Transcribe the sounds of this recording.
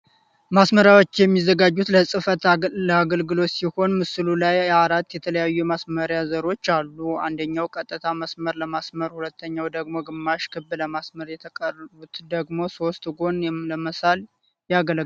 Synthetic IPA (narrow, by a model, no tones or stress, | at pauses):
masməɾjawo̞t͡ʃːjɛmːizːəɡad͡ʒːut̪ləsʼɨfət̪ləaɡəlɡɨlo̞t̪siho̞nmɨsɨlulajaɾat̪ːjɛt̪ʰələjajːumasməɾjazəɾo̞t͡ʃːalːua̰nd̪əɲːawkʼət̪ʼːɨt̪ʰaməsməɾləmasməɾhulət̪ʰːəɲːawd̪əɡmo̞ɡɨmːaʃkʰɨbːɨləmasməɾjɛt̪ʰəkʼərəβut̪d̪əɡmo̞so̞st̪ɡo̞nləməsal | jaɡəl